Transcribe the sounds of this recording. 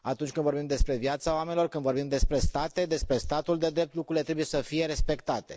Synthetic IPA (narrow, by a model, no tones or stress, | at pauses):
at̪unt͡ʃʲkɨnvo̞rbimd̪e̞spɾe̞vjat̪saoame̞nilo̞rkɨnd̪vo̞rbimd̪e̞spɾe̞st̪at̪e̞d̪e̞spɾe̞st̪at̪uld̪e̞d̪ɾe̞p̚t̪lukɾuɾilet̪ɾe̞buje̞səfije̞ɾe̞spe̞kt̪at̪e̞̰